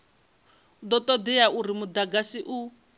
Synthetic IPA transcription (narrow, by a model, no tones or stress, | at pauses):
d̪ɔt̪ɔd̪ɛjaʔuɾimud̪aɡasiʔu